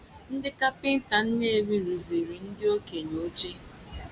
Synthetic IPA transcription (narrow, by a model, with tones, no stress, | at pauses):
n̩˦dɪ˦ka˦pɪ˦n̩˦ta˨n̩˦ne˦˨wi˦ɾu˨zi˨ɾi˨n̩˦dɪ˦o˦ke˨ɲ˨o˦t͡ʃe˦